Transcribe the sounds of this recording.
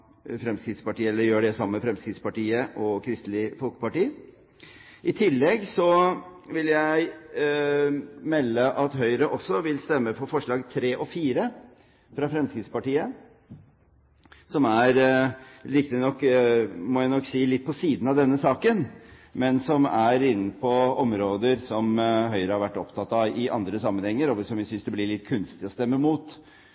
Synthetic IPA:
fɾɛmskɾɪt̪spɑʈiːəɛlːəɾjøːɖɛsɑmːəəfɾɛmskɾɪt̪spɑʈiːəʔɔkʰɾɪst̪lɪfɔlkə̥pɑʈiː | ʔɪt̪ʰɪlːɛɡsɔʋɪljæɪ | mɛlːəʔɑt̪ɦœʏɾəʔɔsːɔʋɪlst̪ɛmːəfɔɾfɔʂɭɑːɡt̪ʰɾeːʔɔfiːɾə | fɾɑfɾɛmskɾɪt̪spɑʈiːə | sɔmæɾ | ɾɪkt̪ɪnɔkːmɔːjæɪnɔkːsiːlɪt̪̚ːpʰɔsiːd̪nɑʋd̪ɛnːəsɑːkənmɛnsɔmæɾɪnːəpʰɔɔmɾoːd̪əɾsɔmɦœʏɾəhɑɾʋæʈːɔpt̪ʰɑt̪ːɑɪʔɑ̰nd̪ɾəsɑmːənhɛŋːəɾɔʋsɔmjɪsʏnsd̪ɛblɪɭɪt̪ːkʰʉnst̪ɪɔst̪ɛmːəmuːt̪

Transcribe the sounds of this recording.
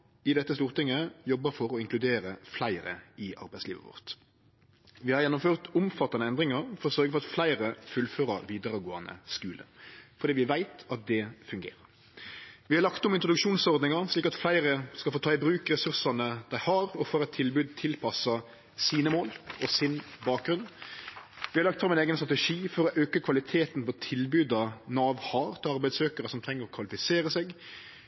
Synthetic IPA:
ɪd̪ɛt̪ːəst̪uːɾt̪ɪŋːəjɔbːəfɔɾɔɪŋklʉd̪eːɾəflæɪɾə̰ɪʔɑ̰ɾbæɪslḭːʋə̰ʋɔ̰ʁt̪ | ʋɪhɑɾjɛnːʊmføːʁt̪ʊmfɑt̪ːɑnəɛnd̪ɾɪŋɑɾfɔɾɔsœɾɡəfɔɾɑt̪flæɪɾəfʉlføːɾə̰ɾʋiːd̪əɾəɡoːɑnə̰skʉːlə̰fɔɾdiːʋɪʋæɪt̪ɑt̪̚d̪ɛfʉŋɡḛːɾəɾ | ʋɪhɑɾʁlɑkt̪ʊmɪnt̪ɾʊd̪ʉkʃuːnsɔɾd̪nɪŋɑɾʂliːkɑt̪flæɪɾəskɑlfoːt̪ʰɑːɪbɾʉːkɾɛsʉɾsɑnəd̪̥æɪhɑɾɔfɔɾɛt̪ʰːɪlbʉːd̪̚t̪ʰɪlpʰɑsɑ | siːnəmoːlʔɔsɪnbɑːk̚ɡɾʉn | ʋɪhɑɾlɑkt̪fɾɑmɛneːɡənst̪ʁɑt̪ɛʂiːfɔɾɔʔøːkəkʰʋɑlɪt̪ʰeːt̪npɔt̪ʰɪlbʉːd̪ɑnɑːʋhɑːɾt̪ɑɾbæɪd̪søːkəɾəsɔmt̪ʰɾɛŋːəɾɔkʰʋɑlɪfɪseːɾəsɛɡ

